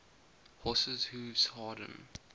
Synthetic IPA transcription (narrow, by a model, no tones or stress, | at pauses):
hɔsəzhuːvz̥hɑːɾə̰̃n